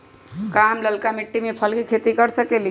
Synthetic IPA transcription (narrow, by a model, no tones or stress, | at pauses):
kamləlkamiʈːimepʰəlkikʰet̪ikəɾsəkeli